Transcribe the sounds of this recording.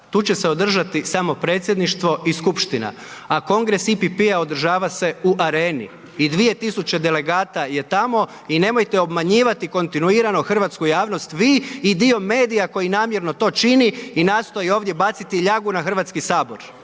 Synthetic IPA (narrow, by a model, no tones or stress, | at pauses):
t̪uːt͡ɕe̞seo̞d̪r̩ʒat̪isaːmo̞pɾe̞ːt̪sʲje̞d̪niʃt̪ʋo̞iskupʃt̪ina̰ako̞ŋɡɾe̞sipipiao̞d̪r̩ʒaːʋase̞uʔaɾeːnḭ | id̪ʋie̞t̪isut͡ɕe̞d̪ele̞ɡaːt̪aje̞t̪amo̞ | ine̞mo̞jt̪e̞o̞bmaɲiːʋat̪iko̞nt̪inuiɾanoxr̩ʋat̪skujaːʋno̞st̪ʋiːd̪io̞me̞ːd̪ijako̞jinaːmjeɾno̞t̪o̞ːt͡ʃiniːnaːst̪o̞jioːʋd̪jebat̪sit̪iʎaɡunaxr̩ʋat̪skisaːbo̞ɾ